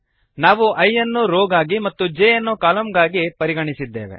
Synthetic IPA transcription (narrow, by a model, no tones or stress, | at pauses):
naːʋuʔɐjɐnːuɾoːɡaːɡimɐt̪ːud͡ʒeːjɐnːukaːlɐmɡaːɡipɐɾiɡɐɳisid̪ːḛːʋḛ